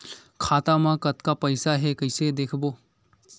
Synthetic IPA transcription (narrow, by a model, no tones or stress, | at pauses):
kʰaːt̪amãkɐt̪kapɐɪsaɦɛkɐɪsed̪eːkʰboː